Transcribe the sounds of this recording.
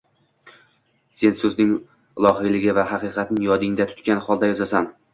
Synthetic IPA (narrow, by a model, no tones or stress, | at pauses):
se̞nsɵznɪŋ | lˠɒɦɨjlɪɡʲɪvaɦɑqɨqʰɑt̪nɪjɒd̪ɪŋd̪at̪ʰʊ̥t̪kʲanχɒlˠd̪ajɒzasan